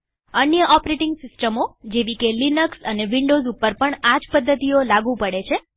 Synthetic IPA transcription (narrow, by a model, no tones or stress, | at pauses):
ənjəʔɔpɾeʈɪŋɡsɪsʈəmod͡ʒeʋikelinəksəneʋiɳɖozupːəɾpəɳad͡ʒpəd̪ʱːət̪iolaɡũpəɽet͡ʃʰe